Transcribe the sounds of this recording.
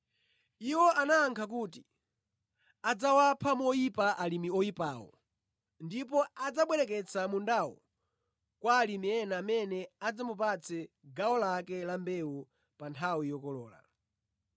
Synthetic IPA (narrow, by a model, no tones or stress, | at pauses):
iwɔʔanaːŋkʰak̬uːti | ad͡zawapʰamɔipaʔalimiɔipaːwɔ̰ | ndipɔad͡zaɓwɛɾɛk̬ɛt͡samundawɔ̰ | kwalimiɛnaːmɛnɛad͡zamupat͡sʰɛ | ɡawɔlakɛlambɛu | pantʰawijɔkɔlɔːla̰